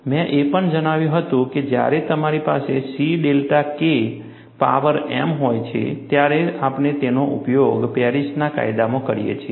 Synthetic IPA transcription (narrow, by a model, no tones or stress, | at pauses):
mɛ̃ʔepəɳd͡ʒəɽ̃aʋjũɦət̪ũked͡ʒja̰ɾet̪əmaɾipa̰sesiɖelʈake | pa̰ʋəɾɛ̰mɦojt͡ʃʰḛt̪jaɾeapɳet̪enoʔupjoɡpeɾisnaka̰jd̪amõkəɾijḛt͡ʃʰe